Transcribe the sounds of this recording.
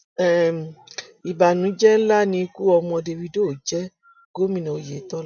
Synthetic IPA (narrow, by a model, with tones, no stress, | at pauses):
ɛ˦˨ | i˨ba˨nũ˨˦d͡ʒɛ˦n̩˦la˦nĩ˧ku˦ɔ˧mɔ̃˧de˧wi˧do˦˨d͡ʒɛ˦ | ɡ̥o˦mĩ˦nã˨o˧je˨˦tɔ˦